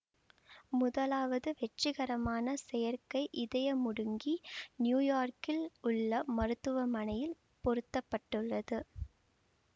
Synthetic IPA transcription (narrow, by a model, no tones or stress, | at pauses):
mʊðɐlaːʋɐðɯʋɛʈːrɪɣɐɾɐmaːnɐsɛjɐɾkɐɪʔɪðɐjɐmʊɽɯŋɡinjuːjaːɾkɪlʊɭːɐmɐɾɯt̪ːɯʋɐmɐnɐjɪl | pɔɾɯt̪ːɐpːɐʈːɯɭːɐðɯ